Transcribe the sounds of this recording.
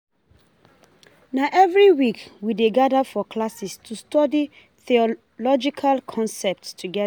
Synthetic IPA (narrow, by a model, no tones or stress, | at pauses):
naʔɛvɹiwikwideɡadafɔklasistʰustɔdi | θiɔ | lɔd͡ʒikʰalkʰɔ̃nsɛp̚tstʰuɡɛ